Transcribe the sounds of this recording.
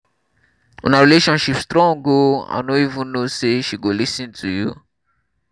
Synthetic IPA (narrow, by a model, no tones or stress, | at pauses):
ɔ̰̃naɹileʃɔ̃nʃipstɹɔ̃ŋɡoã̰noivũnoseʃiɡolisĩntʰujṵ